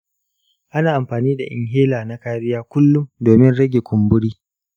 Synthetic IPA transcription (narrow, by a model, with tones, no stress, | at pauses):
ʔa˦naː˨ʔa˨mɸaː˨niː˦da̰˨ʔɪ̰˨ŋɦeː˦laː˨na˦kaː˦ɾɪ˦jaː˦kʷʊ˦lːʊ˦mdoː˨mɪ˦nɽɐ˦ɡʲe˨kʷʊ˨mbʊ˦ɽiː˦